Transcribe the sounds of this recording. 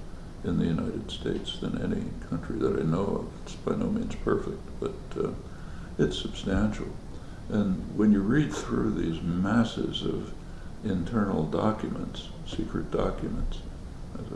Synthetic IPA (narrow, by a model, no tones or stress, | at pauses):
ɨ̃nðɨjʉnaɪɾɨd̥steɪtsðɨ̃nɛnḭkʰʌ̃nt͡ʃɹ̥iðɨɾa̰ɪnoʊʌ̰vɨtsb̥aɪnoʊmĩnz̥pʰɜ˞fɪk̚t̚b̥ʌɾ | ɨtsɨb̥stæ̃nʃl̩ˠ | ʔɨ̃nwə̃njɨɹid̪̚θɹʉðizmæsɪ̰zʌv | ɪ̃ntʰɜ˞nl̩ˠdɑkjɨmə̃nts | sikʰɹɨt̚d̥ɑkjɨmə̃nts | ɨz